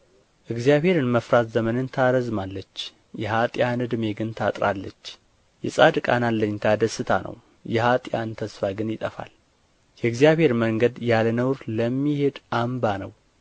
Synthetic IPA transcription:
ʔɨɡzijaβhe̞ɾɨnməfɾat̪zəmənɨnt̪ʰaɾəzmalːət͡ʃː | jɛɦat̪ʼjanɨd̪ɨme̞ɡɨnt̪ʰat̪ʼɾalːət͡ʃː | jɛ̰sʼad̪kʼa̰nalːəɲːt̪ʰad̪əsɨt̪ʰa̰nʔə̰w | jɛhat̪ʼjant̪ʰəsfaɡɨnjɪt̪ʼəfa̰l | jɛɨɡzijaβhe̞ɾməŋɡəd̪jalənəwɾləmːihe̞d̪ʔambanəw

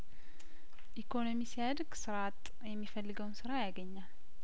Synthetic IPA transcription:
ʔikʰo̞no̞misijad̪ɡsɨɾat̪ʼ | jɛmːifəlːɨɡəwnsɨɾajaɡəɲːal

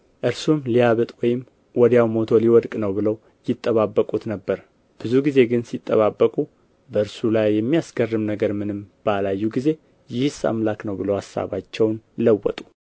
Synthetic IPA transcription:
ʔɨɾsumlijaβɨt̪ʼwɔjɪm | wɔd̪jawmo̞t̪ʰo̞liwɔd̪kʼnəwbɨləw | jɪt̪ʼːəβabːəkʼut̪nəbːəɾ | b̥ɨzuɡize̞ɡɨnsit̪ʼːə̰βabːəkʼu | bəɨɾsulajːɛmːijasɡ̥ərːɨmnəɡəɾmɨnɨmb̥əalajːuɡize̞ | jɪhɨsa̰mlaknəwbɨləwasːa̰βa̰t͡ʃːɛwnləwːɔ̰t̪ʼu̥

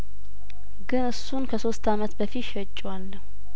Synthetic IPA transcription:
ɡɨnɨsːunkʰəso̞st̪ʰamət̪bəfit̪ʃɛt͡ʃʼːwalːəhu

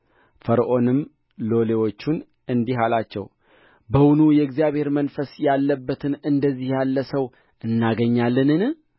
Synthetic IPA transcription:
fəɾʔo̞nɨm | lo̞le̞wo̞t͡ʃːun | ɨnd̪iɦalat͡ʃːɛ̰w | bəwʊnujɛɨɡzijaβhe̞ɾmənfəsjalːəbːət̪ʰɨnɨnd̪əzːihjalːəsəw | ʔɨnːaɡəɲːalːɨnɨn

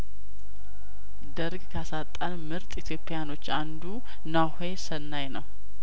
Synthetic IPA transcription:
d̪əɾɡkʰasat̪ʼːanmɨɾt̪ʼit̪ʰjo̞pʼːejano̞t͡ʃːand̪u | nahe̞sənːajnəw

